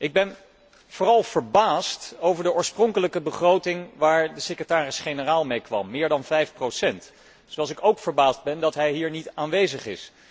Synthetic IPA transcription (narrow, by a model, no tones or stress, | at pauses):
ʔɪɡ̚bɛn | v̥ʊːrɑlˠv̥əɹbaːstowvəɹdəʔɔːɹsprɔŋkələkəbəχrowtɪŋʋaːɹdəsekətaːrɪsχejnəraːlˠmejkʋɑ̰mːɪːɹdɑnvɛjfprowsɛnt | soɑlˠs̬ɪkowkfəɹbaːzd̚bɛndɑtɦɛjɦiːɹnitaːnʋejzəχɪ̰s